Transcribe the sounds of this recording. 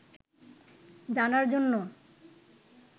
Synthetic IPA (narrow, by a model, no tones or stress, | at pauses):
d͡ʑanaɾd͡ʑonːo